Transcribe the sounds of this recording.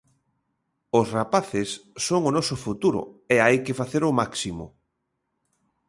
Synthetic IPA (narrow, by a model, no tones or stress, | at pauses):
ʊsrapaθɪsːoŋʊnɔsʊfut̪uɾʊ̰eajkɪfaθeɾʊmaksimʊ̰